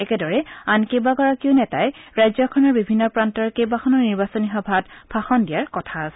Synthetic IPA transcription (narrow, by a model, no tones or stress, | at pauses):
ɛkɛdɔɹɛankejbakɔɹakiʊnɛtajɹajzɔkʰɔnɔɹbibʱinːɔpɹantɔɹkejbakʰɔnɔɹniɹbasɔnixɔbʱatpʰaxɔndijaɹkɔtʰasɛ̥